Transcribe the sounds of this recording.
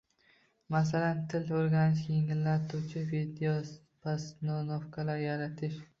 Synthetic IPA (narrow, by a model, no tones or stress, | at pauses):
masalant̪ʰɪloɾɡʲanɪʃʲjeŋɪlːaɾt̪ʰut͡ʃʰɪvid̪eos | pʰasnonofkʰalaɾjaɾat̪ʰɪʃ